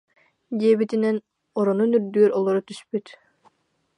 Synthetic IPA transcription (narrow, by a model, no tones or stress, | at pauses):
d̪iɛbit̪inɛn | ɔɾɔnunyɾd̪yœɾɔlˠɔɾɔt̪yspyt̪